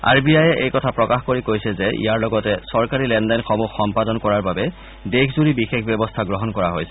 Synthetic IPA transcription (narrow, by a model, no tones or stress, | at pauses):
a̰ɹbiajɛʔḛjkɔtʰapɹɔkaxkoɹikojsɛzɛʔḭjaɹlɔɡɔtɛsɔɹkaɹilɛnlajnxɔmuxːɔmpadɔnkɔɹaɹbabɛ | dexʰzuɹibixekʰbɛbɔstʰaɡɹɔɦɔnkɔɹaɦojsɛ